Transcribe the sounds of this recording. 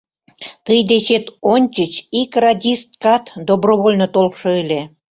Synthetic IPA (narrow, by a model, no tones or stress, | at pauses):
t̪ɨjd̪et͡ɕet̪onʲt͡ɕət͡ɕikrɑdʲist̪̚kɑt̪d̪obroβolʲnot̪olʃɤilʲe